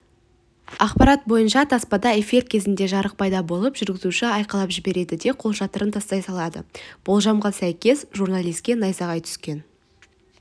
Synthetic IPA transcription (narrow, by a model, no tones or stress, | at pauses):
ɑqpɑɾɑt̪̚bo̞jənʃɑt̪ʰɑspɑd̪ɑe̞fiɾkʲʰe̞zɪnd̪e̞ʒɑɾəq̚pʰɑjd̪ɑbo̞lˠəpʒʏɾɡʲɪzuʃɪɑjqɑlˠɑpʒɪbe̞ɾe̞d̪ɪd̪e̞qʰo̞lˠʒɑt̪əɾənt̪ʰɑst̪ɑjsɑlˠɑd̪ə̰b̥olˠʒɑmʁɑsæjkʲe̞sʒurnalˠijskʲe̞nɑjsɑʁɑjt̪ʰʏ̥skʲe̞n